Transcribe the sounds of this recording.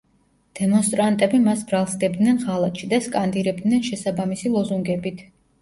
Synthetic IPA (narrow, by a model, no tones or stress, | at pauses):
d̪̥ɛmɔnst̪ʼɾant̪ʼɛbimasbɾalˠsɡɛb̚d̪nɛnʁalˠat̪ʃid̪askʼand̪iɾɛb̚d̪nɛnʃɛsabamisilˠɔzuŋɡɛbit̪ʰ